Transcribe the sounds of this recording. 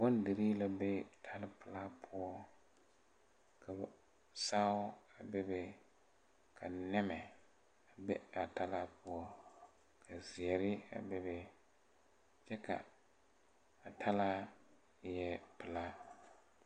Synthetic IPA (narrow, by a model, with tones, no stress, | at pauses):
bɔ˦ndɨ˨ɾi˦la˦bɛ˦tʰa˦lɪ˦pɨ˨la˦pʰʊ˦ɔ˦ | kʰa˨ | saː˦a˨bɛ˦be˨ | kʰa˨nɛ˦mɛ˨ | a˨bɛ˦a˨ta˦la˦pʊ˦ɔ˦ | kʰa˨zi˨ɛ˨ɾɪ˦a̰˨bɛ˦bɛ˦ | t͡ʃɛ˦ka̰˨ | a˨tʰa˦la˦ | jɛ˦pɨ˨la˦